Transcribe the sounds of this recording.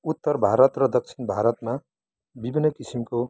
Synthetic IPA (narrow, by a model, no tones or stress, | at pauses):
ut̪ːʌrbʱaɾʌt̪rʌd̪ʌk̚t͡sʰinbʱaɾʌt̪ma | bibʱinːʌkisimko